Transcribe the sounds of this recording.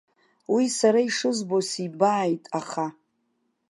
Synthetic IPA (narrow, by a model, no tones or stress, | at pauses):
wisaɾaiʂɨzbosibaːjtʼaχa